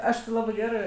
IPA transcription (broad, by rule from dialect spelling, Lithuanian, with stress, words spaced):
ˈɐʃ tʲɪ ˈlˠɑːbɜ ˈɡʲæːrɜ